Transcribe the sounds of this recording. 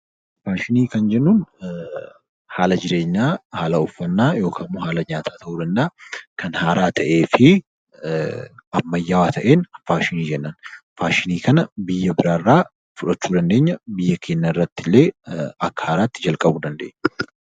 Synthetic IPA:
faːʃɪniːkɐnd͡ʒɛnːuːn | haːlɐd͡ʒɪɾe̞ːɲːaːhaːlɐʊfːɐnːaːjo̞ːkʰaːnmʊhaːlɐɲaːt̪ʰaːt̪ɐʔuːd̪ɐnd̪ɐakʰɐnhaːɾʔaːt̪ʰɐʔe̞ːfɪ | ɐmːɐjːawaːt̪ʰɐʔe̞ːnfaːʃɪniːd͡ʒɛnːɐnfaːʃɪniːkɐnɐbɪjːɐbɪɾaːrːaː | fʊᶑɐt͡ʃːuːd̪ɐnd̪e̞ːɲːɐbɪjːɐkʰe̞ːɲːaːɪrːɐt̪ːɪlːe̞ːɐkːɐ̥haːɾaːt̪ːɪd͡ʒɐlkʼɐbuːd̪ɐnd̪ḛːɲː

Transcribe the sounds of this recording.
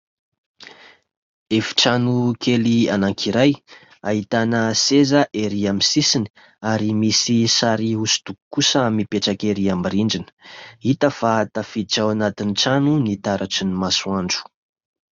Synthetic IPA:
efi̥ʈ͡ʂanukʰelianaŋkʰiɾaj | aɦit̪anəsezəʔeɾiamisisini̥ | aɾimisisaɾiusu̥d̪̥uku̥kusəamipeʈ͡ʂakeɾiamiɾiɳɖ͡ʐinə̥it̪əfat̪afid͡ʒawanat̪inʈ͡ʂanunit̪aɾʔaʈ͡ʂinimasuaɳɖ͡ʐu̥

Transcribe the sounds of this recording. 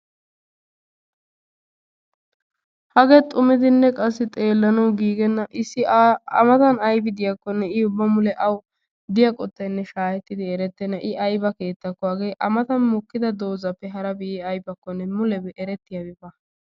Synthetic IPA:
hɐɡɛt̪ʼʊmɪd̪ɪnːɛkʼɐsːɪt̪ʼe̞ːlːɐnɐwɡiːɡɛnːɐʔɪsːɪɐ̰mɐt̪ɐnɐjbɪd̪ɪjɐkːɔnːɛɪʊbːɐmʊlɛʔɐw | d̪ɪjɐkʼɔt̪ːɐjnːɛʃaːjɛt̪ːɪd̪ɪɛɾɛt̪ːɛnːɐʔɪʔɐjbɐke̞ːt̪ːɐkːʊwaːɡejʔɐmɐt̪ɐnmʊkːɪd̪ɐd̪oːzɐpːɛɦɐɾɐbɪɪɐjbɐkːɔnːɛmʊlɛbɛʔɛɾɛt̪ːɪjɐɡɪbɐ

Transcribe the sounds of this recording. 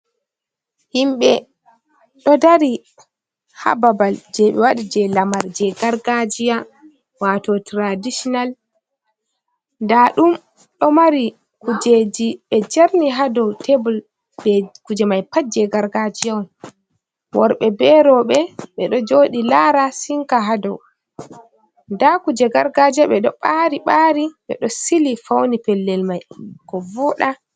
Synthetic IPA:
himɓɛ | ɗɔdaɾi | ha̰babald͡ʒɛɓɛwaɗid͡ʒɛlamaɾd͡ʒɛɡaɾɡad͡ʒija | watɔtɾadisɔnal | ndaɗum | ɗɔmaɾi | kud͡ʒed͡ʒiɓɛd͡ʒaɾniɦadɔwtʰebɔl | ɓɛkud͡ʒɛmajpad͡ʒɛɡaɾɡad͡ʒijɔn | wɔɾɓɛbɛɾɔɓɛɓɛɗɔd͡ʒoɗilaɾasiŋkaɦadɔw | ndakud͡ʒɛɡaɾɡad͡ʒɛɓɛɗɔɓaɾiɓaɾiɓɛ̰ɗɔsilifawnipɛlːɛlmajkɔvɔɗa

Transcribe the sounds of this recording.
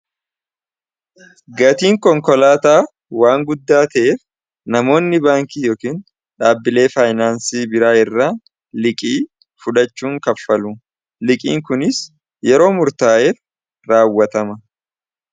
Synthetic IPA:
ɡɐt̪iːŋkɔŋkɔlaːt̪aː | waːŋɡʊd̪ːaːt̪ɐʔeːf | nɐmo̞ːnːɪbaːŋkiːjo̞ːkiːn | ᶑaːbːɪle̞ːfaːjnaːnsiːbɪɾaːɪrːaː | lɪkʼiː | fʊᶑɐt͡ʃːuːŋkɐfːɐlʊ | lɪkʼḭːŋkʊnɪs | jɛɾo̞ːmʊɾt̪aːʔe | ɾaːwːɐt̪ɐmɐ

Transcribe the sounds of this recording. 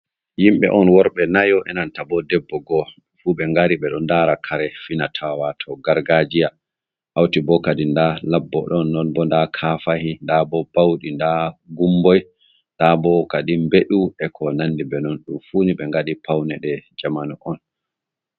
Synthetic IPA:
jimɓɛ̰ʔɔnwɔɾɓɛnajɔʔɛnantabɔdɛbːɔɡɔ | fuɓɛŋɡaɾiɓɛɗɔndaɾakʰaɾɛfinatʰawatʰɔɡaɾɡad͡ʒija | ʔawtibɔkadindalabːɔ̰ɗɔnːɔnbɔndakʰafahindabɔbawɗindaɡumbɔj | ndabɔkaɗimbeɗuɛkʰɔnandibɛnɔnɗumfuniɓɛŋɡaɗipawnɛɗɛd͡ʒamanuʔɔn

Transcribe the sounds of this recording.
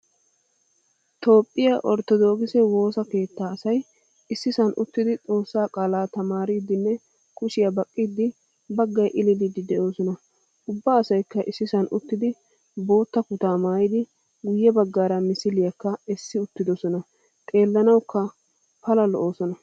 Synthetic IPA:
t̪o̞ːpʼːɪjaʔɔɾt̪ːɔd̪o̞ːɡɪsɛwo̞ːsɐke̞ːt̪ːaːsɐj | ɪsːɪsɐnʔʊt̪ːɪd̪ɪt͡sʼo̞ːsːaːkʼaːlaːt̪ɐmaːɾiːd̪ɪnːɛ | kʰʊʃɪjɐbɐkʼːid̪ːɪ | bɐɡːɐjʔɪlɪd̪ɪd̪ɪd̪ɛʔo̞ːsɔnɐ | ʊbːaːsɐjkːɐʔɪsːɪsɐnʔʊt̪ːɪd̪ɪ | bo̞ːt̪ːɐkʊt̪aːmaːjɪd̪ɪ | ɡʊjːɛbɐɡːaːɾɐmɪsɪlɪjɐkːɐɛsːɪʊt̪ːɪd̪ɔsɔnɐ | t̪ʼe̞ːlːɐnɐwkːɐ | pɐlɐlɔʔo̞ːsɔnɐ

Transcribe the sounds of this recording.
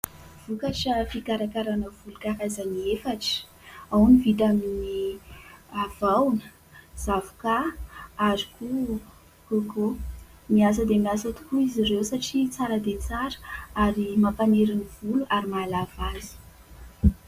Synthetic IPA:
v̥ukaʈ͡ʂəfikaɾakaɾanəvulukaɦazaniefaʈ͡ʂə̥ | awnivit̪amini | avawnə | z̥avu̥kaaziku | koko | mias̬əd̪emiasət̪u̥kuizirewsaʈ͡ʂit͡saɾəd̪et͡saɾə̥aɾimapaneɾiniv̥uluʔaɾimalavazi̥

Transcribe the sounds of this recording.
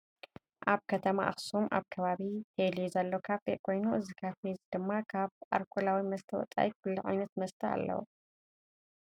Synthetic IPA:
ʔaβkʰɐt̪ʰɐma̰ʔa̰xsumʔa̰βkʰɐβaβit̪ʰelizɐlːokʰaβfeʔkʰo̞jnuʔɨzikʰafezd̪ɨmːakʰaβʔa̰ɾkʰulawimɐst̪ʰɐwɔ̰t͡s̪ʼa̰ʔikʰulːiʕa̰jnɐt̪mɐst̪ʰɐa̰lːɐ̰wṵ

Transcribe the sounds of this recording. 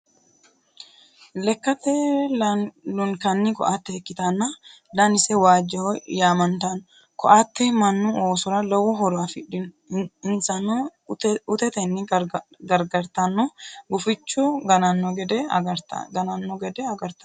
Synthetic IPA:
lɛkːɐt̪ɛ | lʊŋkɐnːɪkɔ̰ʔat̪ːɛɛkːɪt̪ɐnːɐ | d̪ɐnɪsɛwaːd͡ʒːɛɔjaːmɐnt̪ɐn | kɔʔat̪ːɛmɐnːʊoːsʊɾɐlɐwːɔɦɔɾʊɐfɪᶑɪ | ɪnsɐnːɔ | ʊt̪ɛt̪ɛnːɪɡɐɾɡɐɾt̪ɐnːɔɡʊfɪt͡ʃːʊɡɐnɐnːɔɡɛd̪ɛɾ̰ɡɐnɐnːɔɡɛd̪ɛɐɡɐɾt̪ɐ

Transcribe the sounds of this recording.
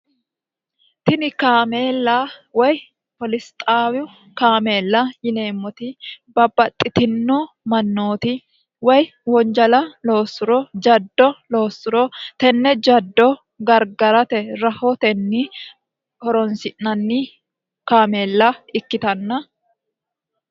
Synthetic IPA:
t̪ɪnɪkaːmeːlːaːwɐj | pɔlɪst̪ʼaːwʊ | kaːme̞ːlːajɪne̞ːmːɔt̪ɪbɐbːɐt̪ʼːɪt̪ɪnːoː | mɐnːoːt̪ɪ | wɐj | wɔnd͡ʒɐlɐlo̞ːsʊɾɔd͡ʒɐd̪ːɔlo̞ːsːʊɾɔt̪ɛnːɛd͡ʒɐd̪ːɔ | ɡɐɾɡɐɾɐt̪ɛɾɐhot̪ɛnːiː | hɔɾɔnsɪʔɐnːiː | kaːme̞ːlːaɪkːɪt̪ɐnːɐ

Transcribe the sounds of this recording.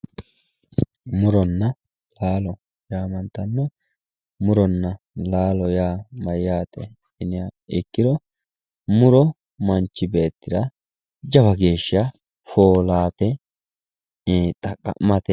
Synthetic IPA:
mʊɾɔnːɐ | laːlɔ | jaːmɐnt̪ːɐnːɔ | mʊɾɔnːɐ | laːlɔjaːmɐjːaːt̪ɛ̰ | ɪnɪjaɪkːɪɾɔ | mʊɾɔ | mɐnt͡ʃːɪbe̞ːt̪ːɪd̪ɐ | d͡ʒɐbɐɡe̞ːʃːɪa | foːlaːt̪ɛ | t̪ʼɐkʼːɐ̰mɐt̪ɛ

